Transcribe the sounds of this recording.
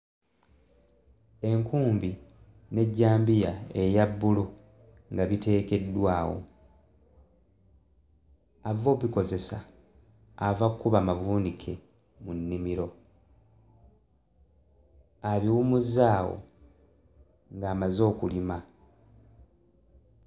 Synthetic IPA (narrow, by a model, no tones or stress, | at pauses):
e̞ŋkuːmbi | ne̞ɟːaːmbijae̞jabːulu | ŋɡaβite̞ːke̞dːwaːwo̰ | avo̞βiko̞ze̞saː | vakkːuβamaβuːnikʰe | munːimiɾo̞ | aβiwumuzaːwo̞̰ | ŋɡaːmazo̞ːkulima